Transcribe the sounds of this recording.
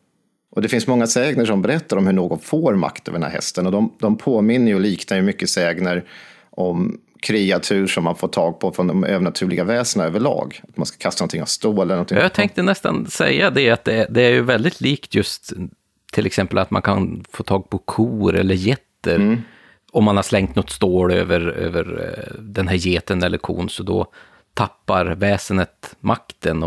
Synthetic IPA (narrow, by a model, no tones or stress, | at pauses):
ʔɔd̪ɛfɪnsmɔŋːasɛːɡnəʂɔmbɛɾɛt̪ːaɾɔmhɵɳoːɡɔnfoːɾma̰kt̪ʰœ̰vd̪ɛnhæ̰ɾhɛ̰st̪ənɔd̪ɔmd̪ɔmpʰoːmɪnːəɾjʊliːknajɵmʏkːəsɛːɡnəɾ | ʔɔm | kʰɾiat̪ʰʉ̟ːʂɔmːanfoːʈʰɑːɡ̚pʰɔfɾɔnd̪ɔmø̰ːvəɳat̪ʰʉ̟ːɭɪɡavɛːsənaøːvəɭɑ̰ːɡat̪manskḁkʰast̪anɔnt̪ʰɪŋːa̰vst̪uːɛlənɔnt̪jjat̪ʰɛŋk̚t̪ənɛst̪a̰nsɛ̰jːad̪ɛat̪̚d̪ɛd̪ɛæɾjɵvɛld̪ɪt̪ʰliːkt̪jɵst̪ | t̪ʰːɪlɛksɛmpəlat̪mankʰanfoːt̪ʰɑːɡ̚pʰɔkʰuːɾɛ̰lːəɾjɛt̪ːəɾ | ɔmːanhaʂlɛŋkt̪nɔt̪ːst̪oːɽø̰ːvəɾø̰ːvə̰ɾd̪ɛnɦæːɾjeːt̪ənɛlːʔəɾkʰṵːnsɔd̪ɔ̰ | t̪ʰapːaɾvɛːsənət̪mʔakt̪ənɔ